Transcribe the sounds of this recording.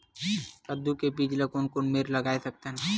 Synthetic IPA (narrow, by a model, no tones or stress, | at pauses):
kəd̪ukepid͡ʒləkonkonmeːɾlɐɡaːesɐk̚t̪en